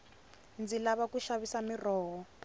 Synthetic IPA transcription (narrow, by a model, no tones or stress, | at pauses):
nd͡zilaβakuʃaβisamirɔːɦɔ